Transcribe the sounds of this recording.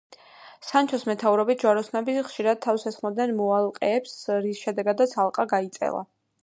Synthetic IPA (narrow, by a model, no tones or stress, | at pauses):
sant͡ʃʰɔsmɛt̪ʰauɾɔbit̪̚d͡ʒwaɾɔsnabiχʃiɾad̪̚t̪ʰːavsasχmɔd̪nɛnmɔalˠqʼɛːpsɾisʃɛd̪ɛɡad̪at̪sʰalˠqʼaɡait̪sʼɛ̰lˠa̰